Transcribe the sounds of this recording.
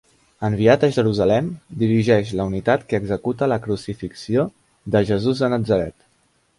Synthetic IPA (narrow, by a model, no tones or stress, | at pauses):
əmβiat̪əʒəɾuzəlɛmd̪iɾiʒɛʃləunit̪at̪kəːɡzəkut̪ələkɾusifiksio | ðəʒəzuzðənəd͡zəɾɛt̪